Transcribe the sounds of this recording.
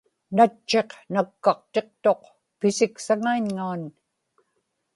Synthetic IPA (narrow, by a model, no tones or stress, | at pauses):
nat͡ʃːe̞qnakːɑq̚t̪e̞q̚t̪o̞q | pɪsɪksaŋaiɲŋaːn